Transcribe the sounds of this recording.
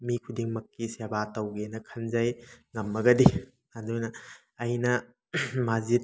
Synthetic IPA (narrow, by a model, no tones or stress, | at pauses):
mikʰudiŋmɐkːisebatɐwɡenɐkʰɐnzajŋɐmːɐɡɐdi | adujnɐː | jnɐ | mazit̚